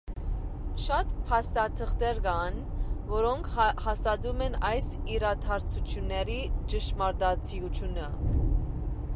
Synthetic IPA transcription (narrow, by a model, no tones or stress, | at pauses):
ʃɑt̪pʰɑst̪ɑt̪ʰəχt̪ɛɾɡɑnvɔɾɔŋkʰhɑst̪ɑd̪umɛnɑjsiɾɑt̪ʰɑɾt͡sʰut͡sʰjunːɛɾit͡ʃəʃmɑɾd̪ɑt͡sʰijut͡sʰjunə